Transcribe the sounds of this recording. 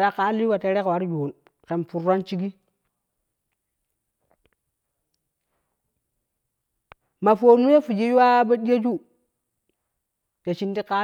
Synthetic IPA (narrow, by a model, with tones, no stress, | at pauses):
ɾa˦ka˦li˦wa˨te˨ɾe˦kwa˨˦ɾjo˨n | ke˨mpu˨ɾa˦nt͡ʃi˦ɡi˦ | ma˨fo˨nu˦je˦fu˨d͡ʒi˦ju˦wa˦ba˦di˦ja˦d͡ʒu˦ | te˨t͡ʃi˦nti˦ka˦